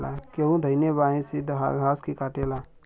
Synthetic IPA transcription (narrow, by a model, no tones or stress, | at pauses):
la̰keũd̪ʱəɪnebaːĩsid̪ʱɦɦaːskikaːʈeːlaː